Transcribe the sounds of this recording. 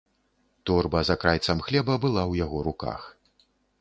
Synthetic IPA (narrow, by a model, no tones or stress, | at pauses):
t̪ɔrbɐzakɾajt̪sɐmxlʲɛbɐbɨlˠawjaɣɔɾuka̰x